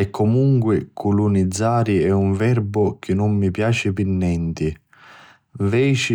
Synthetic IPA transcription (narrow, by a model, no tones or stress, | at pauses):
ɛkːɔmuŋkwɪkʰulunid̪zːaːɾiɛuɱvɛrbʊk̟ɪnʊmːipjaːt͡ʃɪpinːɛnt̪ɪ | vɛːt͡ʃi